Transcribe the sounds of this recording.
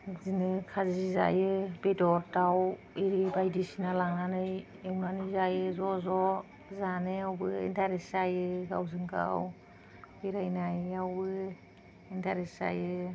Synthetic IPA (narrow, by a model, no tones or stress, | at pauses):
zinɯkʰaziza̰jɯbedɔdaw | eɾibajdisinalaŋnanɯj | ewnanɯjzajɯzɔzɔ | zanɯawbɯḭntʰaɾesajɯɡa̰wzɯŋka̰w | beɾajnajɯawbɯ | intʰaɾesa̰jɯ